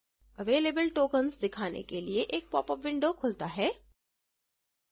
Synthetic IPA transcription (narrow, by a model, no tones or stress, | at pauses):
ɐʋeːleːbəlʈoːkənsd̪ɪkʰaːnḛkelieʔeːk̚pɔːpəʋɪ̃ɳɖokʰʊlt̪aɦɛː